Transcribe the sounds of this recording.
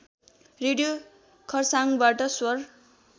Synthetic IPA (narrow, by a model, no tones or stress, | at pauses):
reɽijo | kʰʌrsaŋbaʈʌswʌr